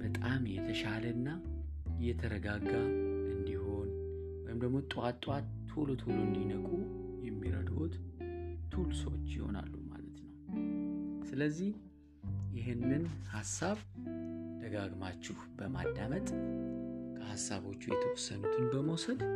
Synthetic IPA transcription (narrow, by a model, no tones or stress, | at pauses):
b̥ət̪ʼamjɛt̪ʰəʃaləɨnːa | ʔɨjːɛt̪ʰəɾəɡaɡaɨnd̪iho̞n | wɔjɪmd̪əɡmot̪ʼat̪ʼwat̪ːʰo̞lot̪ʰo̞loɨnd̪inəkʼujɛmːiɾə̰d̪o̞̰t̪t̪ʰulsəwt͡ʃːjɪho̞̰na̰lːuma̰lət̪nəw | sɨləzːih | jɪɦɨnːɨnhasːaβ | d̪̥əɡaɡmat͡ʃːɪhbəma̰d̪ːamət̪ʼ | kʰəhasːaβo̞t͡ʃːujɛt̪ʰəwɨsənut̪ʰɨnbəməwsəd̪